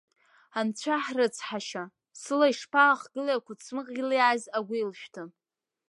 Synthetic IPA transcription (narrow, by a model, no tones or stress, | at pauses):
amt͡ɕʷʰaħrɨt͡sʰħaʃa | sɨlaiʂpʰaχɡɨlaakʷat͡sʰmɨqʼɡʲɪliʕajzaɡʷiilʃᶣtʰɨ